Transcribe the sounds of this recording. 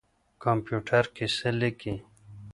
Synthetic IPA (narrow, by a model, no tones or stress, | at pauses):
kompjuːʈʰɐɾkiseliki